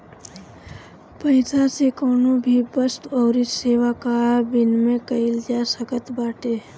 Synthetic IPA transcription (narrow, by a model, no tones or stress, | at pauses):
pəɪsasekɔːnõbʱibəst̪ɔːɾiseːʋakabɪnmẽkəɪld͡ʒaːsəkət̪baːʈe